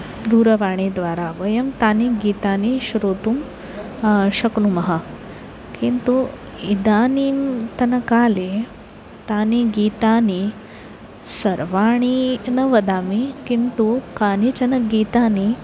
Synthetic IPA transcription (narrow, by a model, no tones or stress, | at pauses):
d̪uːɾɐʋaːɳiːd̪ʋaːɾaːʋɐjɐmt̪aːniɡiːt̪aːniʃɾoːt̪um | ʃɐknumɐɦɐ | kint̪u | id̪aːniːmt̪ɐnɐkaːleː | t̪aːniɡiːt̪aːni | sɐɾʋaːɳinɐʋɐd̪aːmikint̪ukaːnit͡ʃɐnɐɡiːt̪aːni